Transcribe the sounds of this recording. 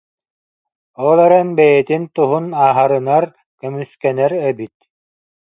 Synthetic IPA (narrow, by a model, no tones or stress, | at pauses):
ɔlˠɛɾɛnbɛjɛt̪int̪uɦunaːɦaɾɯnaɾ | kœmyskɛnɛɾɛbit̪̚